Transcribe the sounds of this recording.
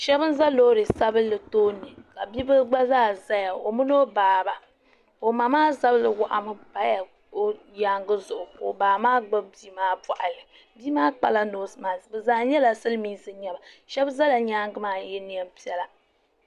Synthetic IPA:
ʃɛ˦bɨ˦n̩˦za˦lo˦ɾɨ˨sa˦bɨ˦lɨ˨toː˦nɨ˨ka˨bi˦bɨ˦ɡ͡ba˦zaː˦˨za˦ja˨o˨mu˦no˦baː˨ba˨ | o˨ma˨maː˦za˦blɨ˨wa˨ʔa˨mɨ˦ba˦ja˨ | o˦ | ɲaː˦ŋɡɨ˦zʊ˨ʔʊ˨ko̰˨baː˨maː˦ɡ͡ba˦b̚biː˦maː˦pa˨ʔa˨lɨ˨ | bi˦maː˦k͡pa̰˨la˦noː˨˦smaː˨bɛ˨zaː˦ɲɛ˦la˨sɨ˦lmiː˦sɨ˦ɲɛ˦ba˨ | ʃɛ˦bza˦la˨ɲaː˦ŋɡɨ˦maː˦jɛ˦ni˨˦ɛ˦m˦pi˦ɛ˦la˨

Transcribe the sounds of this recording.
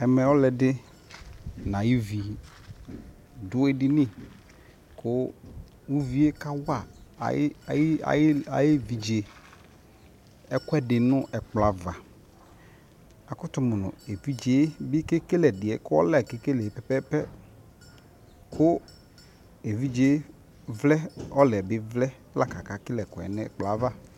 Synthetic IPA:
ɛ˨mɛ̃˨wɔ˦lɛ˨dɪ˦ | nã˨ji˦vi˨ | dʊ˦e˦dɪ˦nɪ̃˦ | kʰʊ˦ | wu˦vi˦e˦ka˦wa̰˦˨˦ | a̰˨ja˨jɪ˦vi˨d͡ʒe˨ | ɛ˦kʊ˦ɛ˦dɪ˨nʊ̃˦ʔɛ˨k͡pla˨va˨ | a˨kʊ˦t̪ʊ˦mʊ˨nʊ̰̃˨e˨vi˦d͡ʒe˦bɪ˦ke˦ke˦lɛ˨dɪ˨ɛ˨kʊ˦ɔ̰˦lɛ˦˨ke˦ke˦lɛ˨e˨pɛ˦pɛ˦pɛ˦ | kʰʊ˦ | e˨vi˦d͡ʒe˦ | vlɛ˦ɔ˦lɛ˨bɪ˦vlɛ˦la˦ka˨ka˨kɪ˦lɛ˨kɔ˨ɛ̰˨nɛ˦ɛ̰˨k͡pla˨˦va˦

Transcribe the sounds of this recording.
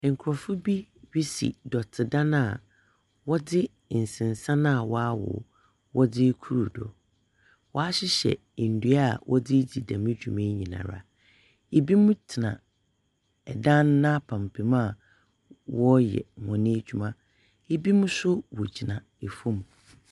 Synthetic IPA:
ŋ̩˨kʰʊ˨ɾɔ˨fʊ˦bi˦bi˦sḭ˨dɔ˨tʰɪ˨dã˦nã˦˨ | wɔ˦dɪ˦˨ | n̩˨sɪ̃˨n˨sã˦nã˦a˨wɔ˦a˦wɔ̰˨ | wɔ˦dɪ˦kʰu˦ɾu˨dɔ̰˨ | wɔ˨a˦ɕɪ˦ɕɛ̰˨n̩˨du˦a˦˨wʔɔ˦dɪ˦d͡ʑi˨dã˨mɪ̃˦d͡ʑᶣu˨mẽ˦ɲĩ˨nã̰˨ɾa̰˨ | e˨bi˦mʊ̃˦tʰɪ˨nã̰˨ | ɛ˨dã˦nː˦ã˦pʰã˨m˨pʰi˨mã˦˨ | wɔ˦jɛ̰˨mɔ̃˨nɪ̃˦d͡ʑᶣu˦mã˦ | e˦bi˦mʊ̃˦sʊ˦wɔ˨d͡ʑi˨nã˨ | e˨fũ˦m˨

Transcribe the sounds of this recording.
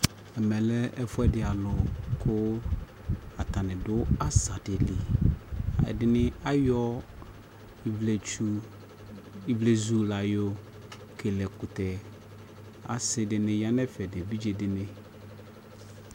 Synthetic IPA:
ɛ˨mɛ̃˨lɛ˦ɛ˦fʊ˦ɛ˦dɪ˨a˨lʊ˨kʰʊ˦ | a˨t̪ʰa˨nɪ̃˨dʊ˦a˦sa˨dɪ˨li˨ | a̰˨dɪ˨nɪ̃˦a˦jɔ˦˨ | vle˨t͡ʃu˦ | ɪ˨vle˨zu˨la˨jo˦ | kʰe˨lɛ˨kʊ˨tɛ˨ | a̰˨sɪ˨dɪ˨nɪ̃˦ja˦nɛ̃˦fɛ˨dɪ˨bi˦d͡ʑe˨dɪ˨nɪ̃˦

